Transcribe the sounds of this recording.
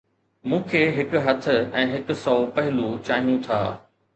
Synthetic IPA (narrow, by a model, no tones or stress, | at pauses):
mũːkʰeːɦɪkɦɐt̪ʰʊ̆ɛ̃ːɦɪkʊ̆sɔːpɐɦɪlut͡ɕaːɦijũt̪ʰaː